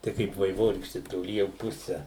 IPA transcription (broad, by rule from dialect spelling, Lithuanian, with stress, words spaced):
ˈtɐɪ kɐɪp ʋɐɪˈʋoːrʲiːkʃʲtʲɪ toːˈlʲiː jɛʊ ˈpʊsʲɛ